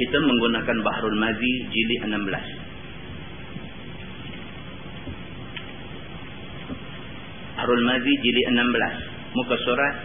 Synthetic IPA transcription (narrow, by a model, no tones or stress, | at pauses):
it̪əməŋɡunakanbahɾulmazid͡ʒiliʔənambəla̰s | bahɾulmazid͡ʒiliʔənambəla̰s | mukasoɾat̪